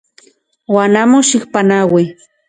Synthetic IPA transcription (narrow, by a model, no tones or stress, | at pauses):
wanamʊʃɪxpanawi